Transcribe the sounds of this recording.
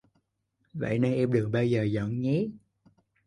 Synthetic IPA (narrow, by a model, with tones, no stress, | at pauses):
və̰˧˨jnə˧nʔɛ˧mɗɨ˨˩ək̚ɓaː˧wzəː˨˩zɔ̰˧˨nɲi˨˦